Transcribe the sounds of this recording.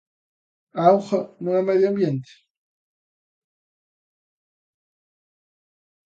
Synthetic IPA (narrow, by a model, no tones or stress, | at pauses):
awχanũŋameðjoambjent̪ɪ̥